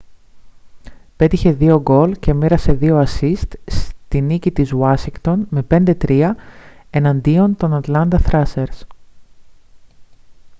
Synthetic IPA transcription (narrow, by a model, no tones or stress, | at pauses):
pe̞t̪içe̞ðio̞ɡo̞lce̞miɾɐse̞ðio̞ɐsist̪st̪inicit̪izwɐsiŋɡt̪o̞nme̞pe̞nd̪et̪ɾiɐe̞nɐnd̪io̞nt̪o̞nɐt̪lɐnd̪ɐθɾɐse̞ɾs